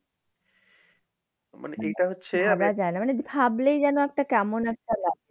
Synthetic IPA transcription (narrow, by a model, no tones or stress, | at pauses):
ma̰neʔejʈaɦotːɕʰeaɾad͡ʑaenamanebʱablejd͡ʑɛnoɛk̚ʈakɛmonɛk̚ʈala